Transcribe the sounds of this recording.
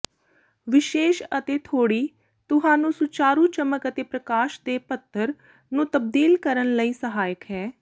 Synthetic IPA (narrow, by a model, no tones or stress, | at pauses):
ʋɪʃeːʃət̪eːt̪ʰoːɽiː | t̪ʊɦãːnũːsʊt͡ʃaːɾuːt͡ʃəməkət̪eːpɾəkaːʃd̪eːpət̪ʰːəɾ | nũːt̪əb̚d̪iːlkəɾənləiːsəɦaːjəkɦɛː